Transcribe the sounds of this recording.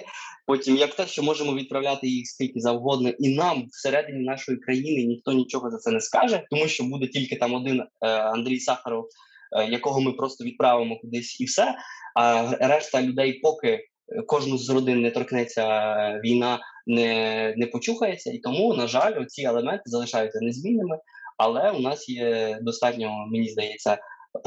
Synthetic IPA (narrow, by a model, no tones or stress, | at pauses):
pɔtʲimjɐkt̪ɛʃt͡ʃɔmɔʒemɔʋʲid̪̚pɾɐwlʲat̪ɪjixst̪itʲnʲizɐwɦɔd̪nɔʔinɑmwseɾɛd̪ɪnʲinɑʃɔjikɾɐjinɪnʲixt̪ɔnʲit͡ʃɔɦɔzɐt̪sɛnɛskɑʒɛt̪ɔmuʃt͡ʃɔbud̪ɛtʲilʲkɪt̪ɑmɔd̪ɪnɐnd̪ɾʲijsɑxɐɾɔw | jɐkɔɦɔmɪpɾɔst̪ɔʋʲid̪̚pɾɑʋɪmɔkʊd̪ɪsʲiwsɛɐɾɛʃt̪ɐlʲʊd̪ɛjpɔkɪ | kɔʒnʊzʲɾɔd̪ɪnːɛt̪ɔrknɛt͡sʲːɐʋʲijnɑnɛnɛpɔt͡ʃuxɐjet͡sʲːɐit̪ɔmunɐʒɑlʲɔt̪t͡sʲiɛlˠemɛnt̪ɪzɐlˠɪʃɑjʊt͡sʲːɐnɛzʲmʲinːɪmɪɐlˠɛunɑsjɛd̪ɔst̪ɑtʲnʲɔɦɔmenʲizd̪ɐjɛt͡sʲːɐ